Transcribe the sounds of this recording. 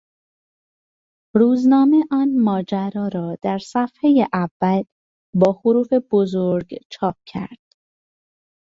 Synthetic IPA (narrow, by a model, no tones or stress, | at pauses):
ɾuːznɒːmeʔɒːnmɒːd͡ʒæɾɒːɾɒːd̪̥æɾsæfhejeʔævːæd̪ | bɒːxoɾuːfe̞b̥ozoɾɡt͡ʃʰɒːp̚cʰæ̰ɾd̪̥